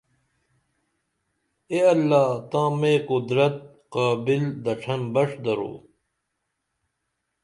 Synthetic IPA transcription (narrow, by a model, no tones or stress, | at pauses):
eːɐlːaːt̪ãːmẽːqud̪ɾɐt̪̚ | qaːbild̪ɐʈ͡ʂʰɐmbɐʂd̪ɐɾo̰ː